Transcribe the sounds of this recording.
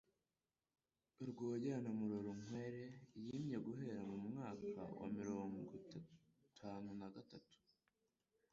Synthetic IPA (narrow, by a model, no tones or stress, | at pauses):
ɾɡoːɟeanamuɾuɾuŋ̥weɾe̞jiːmɲe̞ɡuɦe̞ɾamumŋaːka̰wa̰miɾo̞ːŋɡo | tʰaːnunaɡatatu̥